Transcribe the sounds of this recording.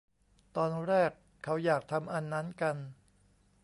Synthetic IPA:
t̪ɔː˧nɾɛː˥˩kʰːa˦˥wjaː˨˩k̚t̪ʰa˧mʔa˧nːa˦˥nka˧n

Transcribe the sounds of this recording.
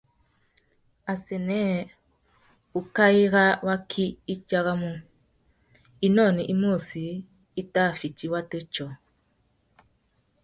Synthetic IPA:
a˨sɛ˨nɛ˦ | u˨ka˦i˦ɣa˦wa˦kʰi˦i˦t͡ʃa˦ɣa˦mu˦ | i˦nɔ˦˨ni˨ʔi˦m˦o˦˨si˨˦ | i˦ta˦˨fi˨t͡ʃi˨wa˦te˦t͡ʃɔ˨

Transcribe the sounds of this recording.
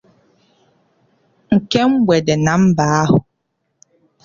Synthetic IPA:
ŋ̩˨kɛ˦m̩˦bwɛ˨dɛ˨na˨˦m̩˦baː˨˦hʊ˨

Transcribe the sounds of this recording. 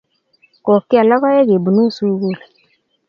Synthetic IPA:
kɔ˨ki˦a˨la˦ɣa˦jɛ˦ɣe˨bu˨nu˦˨su˦ɣu˦˨le˨

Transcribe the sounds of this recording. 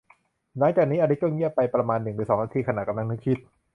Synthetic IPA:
naː˦˥ŋt͡ɕaː˨˩k̚niː˦˥ʔa˧ɾi˦˥t̪̚kɔ˥˩ŋːi˥˩əpːa˧jpɾa˧maː˧nːɯ˨˩ŋnɯ˨˩˦sɔː˩˦ŋʔa˧t̪ʰiː˧kʰa˧na˨˩t̪̚ka˧mla˧ŋnɯ˦˥kʰi˦˥t̪̚

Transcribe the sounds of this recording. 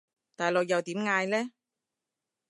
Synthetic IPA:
t̪aː˨jlo˨k̚jɐ˨wt̪iː˨˥mŋaː˧jlɛː˥

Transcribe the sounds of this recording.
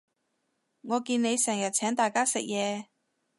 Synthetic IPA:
ŋɔː˨˧kiː˧nne˨˧jsɛː˨˩ŋjɐ˨t̚t͡sʰɛː˨˥ŋt̪aː˨jkaː˥sɪ˨k̚jɛː˨˧

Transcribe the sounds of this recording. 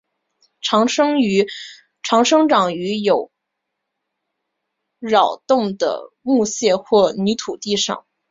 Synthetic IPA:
ʈ͡ʂʰɑ˧˥ŋʂɤ˥ŋ˧˥ | ʈ͡ʂʰɑ˧˥ŋʂɤ˥ŋʈ͡ʂɑ˨˩ŋy˧˥jo˨˩˦ʊ | ɻɑ˨˩ʊt̪ʊ˥˩ŋd̪ə̰˩ | mu˥˧ɕjɛ˥˧xwɔ˥˩ny˧˥t̪ʰu˨˩t̪i˥˧ʂɑ̰˥˩ŋ

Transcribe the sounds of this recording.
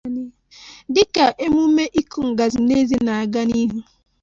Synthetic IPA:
n˦ | dɪ˦ka˨ʔe˦mu˦me˦ʔi˦ku˦ŋ̩˨ɡa˨zi˨ne˦zi˦na˨a˨ɡa˦ni˦ɦu˦

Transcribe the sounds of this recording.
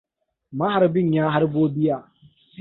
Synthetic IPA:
ma˦ha˨ɾbɪ˦ɲjaː˦ɦa˦ɾboː˦bɪ˦jaː˨

